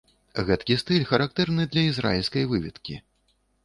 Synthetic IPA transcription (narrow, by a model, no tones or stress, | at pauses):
ɣɛt̪kʲist̪ɨlʲxɐɾak̚t̪ɛrnɨd̪lʲɐizɾa̰jilʲskɐjvɨvʲit̪kʲi